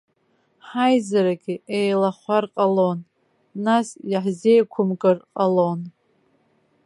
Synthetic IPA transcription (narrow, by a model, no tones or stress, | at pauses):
ħajzaɾaɡʲiejlaχʷarqʼalon | nasjaħze̞jkʷʰʊmkʼɨrqʼalon